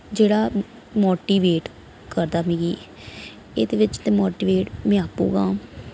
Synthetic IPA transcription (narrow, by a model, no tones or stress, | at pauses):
d͡ʒeːɽaː | moːʈiːʋeːʈ | kəɾd̪aːmĩːɡiː | ḛːd̪eːʋɪt͡ʃt̪eːmoːʈiːʋeːʈmɛ̃ːaːpṵːɡaː